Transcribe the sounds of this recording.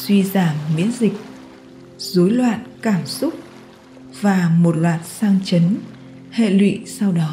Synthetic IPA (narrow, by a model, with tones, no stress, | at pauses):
swi˧zaː˧˩mːḭ˧˥ənzï˨˩k̚ | zo˨˦jlwa̰ː˧˨nkaː˧˩msʊ˦˥k͡p̚ | vaː˨˩mo˨˩t̚lwaː˨˩t̚saː˧ŋt͡ɕə˨˦n | hḛ˧˨lwḭ˧˨sa˧wɗɔ˨˦